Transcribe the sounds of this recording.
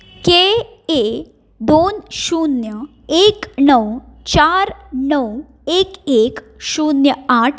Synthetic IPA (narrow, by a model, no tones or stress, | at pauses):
ke | e | d̪onɕunjə | eknəwt͡ɕaɾnəw | ekek | ɕunjəaʈʰ